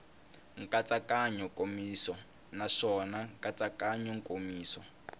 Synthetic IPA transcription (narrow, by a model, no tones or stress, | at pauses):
ŋ̩kʼat͡sʼakaɲɔkʼomiːsɔ | naʂɔnaŋkʼat͡sʼakaɲɔŋkʼomiːsɔ